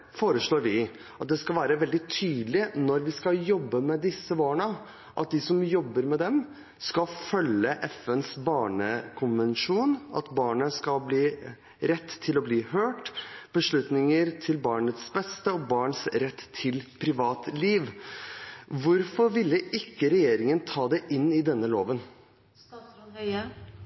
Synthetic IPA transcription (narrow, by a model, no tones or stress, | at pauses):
foːɾəʂɭoːɾʋɪ | ɑt̪̚d̪ɛskɑlʋæːɾəʋɛld̪ɪt̪ʰyːd̪lɪnɔɾʋɪskɑjɔbːəmɛd̪ɪsːəbɑːɳə | ʔɑ̰t̪̚d̪ɪsɔmjɔbːəɾmɛd̪ɛm | skɑfœlːəʔɛfɛnsbɑːɳəkʰʊnʋənʂuːnɑ̰t̪bɑːɳəskɑlbliː | ɾɛt̪ʰːɪlɔbliːɦøːʈb̥əʂɭʉt̪nɪŋəɾt̪ʰɪlbɑːɳət̪sbɛst̪əɔbɑːɳsɾɛt̪ːʰɪlpʰɾɪʋɑːt̪liːʋ | ʋʊɾfɔɾʋɪlːəʔɪkːəɾɛjeːɾɪŋənt̪ʰɑːd̪ɛʔɪnːɪd̪ɛnːəloːʋən